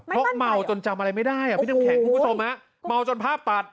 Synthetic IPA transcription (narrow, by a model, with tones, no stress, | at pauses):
ɾɔ˦˥ma˧˩wt͡ɕo˧nt͡ɕa˧mʔa˧ɾa˧jma˥˩jdaː˥˩jʔa˨˩pːkʰɛː˨˩kʰu˧mʰ˦˥o˧mha˦˥ʔ | ma˧˩wt͡ɕo˧npʰaː˥˩p̚t̪a˨˧˩t̪̚